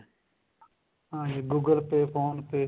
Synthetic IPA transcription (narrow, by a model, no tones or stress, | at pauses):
ãːeɡuːɡəlpeːfʰoːnpeː